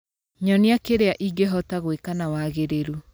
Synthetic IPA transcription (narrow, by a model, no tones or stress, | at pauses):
ɲɔneakeɾeaʔiɡeɦɔtaɣwekanawaɣeɾeɾu